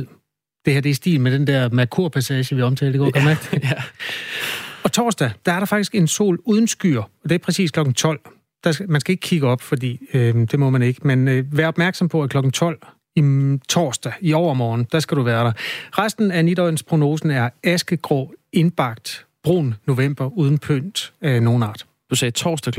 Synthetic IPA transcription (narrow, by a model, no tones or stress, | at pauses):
d̥e̝hæɐd̥esd̥ḭːlmed̥end̥eɐ̰mækʰuɐ̰pʰæsɛːɕəʋiɒ̽mt͡sʰɛ̰ːldeɡ̥ɒ̰ɡ̥ʰɒmæ̥ | ɒ̽t͡sʰɒ̰ːsd̥æd̥ɑ̈æɐɾ̥ɑ̈fɑ̈ɡ̥d̥isɡ̥e̝nso̝̰ːluð̞ˠn̩sɡ̥y̰ːɐɒ̽d̥e̝æ̥pʰʁɛsḭːsklɒ̽ɡ̥n̩t͡sʰɒ̽l̰ | d̥ɑmænsɡ̥æe̝ɡ̥ə̥kʰiɡ̥əɒ̽b̥fɒ̽d̥ḭːød̥e̝mɒ̽mæne̝ɡ̥əmenʋæːɐɒ̽b̥mæɐɡ̥sɒ̽mpʰɒ̽ækʰlɒ̽ɡ̥n̩t͡sʰɒ̽l̰ | it͡sʰɒ̰ːsd̥æiɒʊ̰ɐmɒːnn̩d̥æ̈sɡ̥æɾuʋæːɐɾ̥ɑ̈ʁasd̥n̩ænid̥ɒɪn̩spʰʁo̝no̝ːsn̩æɐæsɡ̥əɡ̥ʁɒ̰e̝nb̥ɑ̈ɡ̥̚d̥b̥ʁo̰ːnːo̝ʋem̰b̥ɐuːðˠn̩pʰøn̰d̥no̝ːn̩ɑ̰̈ːd̥ | d̥usɛːt͡sʰɒ̰ːsd̥ɛ